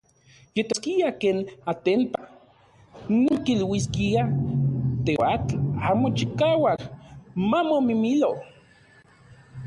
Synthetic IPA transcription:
jet̪oskiakeːnat̪emp̪a | noŋkilwiskia | t̪eat͡ɬamot͡ʃikaːwakmamomimilo

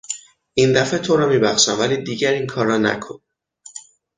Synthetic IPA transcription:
ʔind̪æfet̪ʰoɾɒːmiːbæxʃæmvæliːd̪iːɟæɾiːŋkʰɒːɾɒːnæ̰kʰon

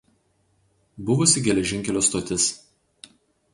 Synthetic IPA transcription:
bʊʋʊsʲɪɡʲɛlʲɛʒʲɪ̃ŋʲkʲɛlʲoːst̪oːt̪ʲɪs

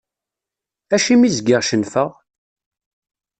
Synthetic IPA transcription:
æʃimizɡɪʁʃənfəʁ

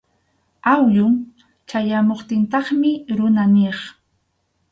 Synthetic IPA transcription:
awʎʊŋ | t͡ʃajamoχt̪ɪnt̪ɑχmɪɾʊnaneχ

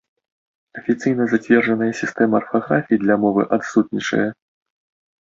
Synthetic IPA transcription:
ɐfʲit̪sɨjnɐzat͡sʲvʲɛrʐɐnɐjɐsʲist̪ɛmɐːrfɣɾafʲiːd̪lʲɐmɔvɨ̰ʔat̪sut̪̚nʲit͡ʂɐ̰jɐ

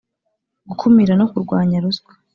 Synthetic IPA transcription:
ɡ̥ukʰumiɾano̞kuɾɡwaːɲaɾusɡwḁ

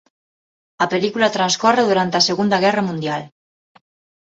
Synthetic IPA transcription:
apelikulat̪ɾanskɔreðuɾant̪aseɣund̪aɣɛramũnd̪jal

